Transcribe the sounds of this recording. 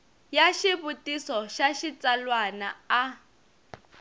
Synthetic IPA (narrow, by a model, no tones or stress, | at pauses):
jaʃiβutisɔʃaʃit͡salwanaː